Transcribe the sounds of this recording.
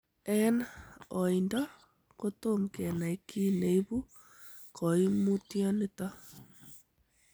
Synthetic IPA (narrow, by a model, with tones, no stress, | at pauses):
ɛ˦nɔ˨i˨ndɔ˦ | ko˦to˦mkɛ˨na˨i˦kʰi˦ne˨i˦βu˦ | kɔ˨i˦mu˦tjɔ˦ne˦ta˦